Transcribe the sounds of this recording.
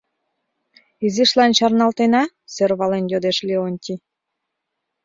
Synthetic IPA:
iziʃlɑnt͡ɕɑrnɑlt̪enɑ | sørβɑlenjod̪eʃlʲeonʲt̪ʲi

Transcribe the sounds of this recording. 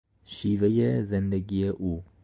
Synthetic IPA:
ʃiːʋɛjɛzɛnd̪ɛɡɪjɛʔu

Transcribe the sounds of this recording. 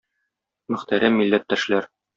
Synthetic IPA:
mɵ̆χt̪æɾæmːilːæt̪ːæʃlæɾ

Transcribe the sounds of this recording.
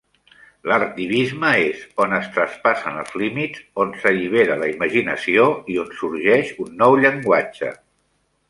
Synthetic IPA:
ləɾt̪iβizməezonəst̪ɾəspasənə̰lˠzlimitzonsəʎiβ̞eɾələiməʒinəsioionsuɾʒɛʃunːɔwʎəŋɡwat͡ʃə̰

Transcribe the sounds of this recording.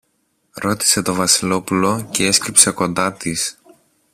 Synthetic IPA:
ɾo̞t̪i̥se̞t̪o̞vɐsilo̞pulo̞cee̞skɾipse̞ko̞nd̪ɐt̪is

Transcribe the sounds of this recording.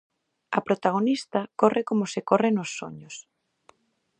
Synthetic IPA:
ɐ̰pɾot̪aɣ̞onist̪ɐkorʔɪkomosɪkorenosːo̰ɲos

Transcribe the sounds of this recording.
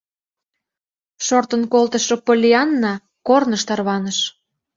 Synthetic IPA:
ʃort̪ənkolt̪əʃŏpolʲiɑnːɑ | kornəʃt̪ɑrβɑnəʃ

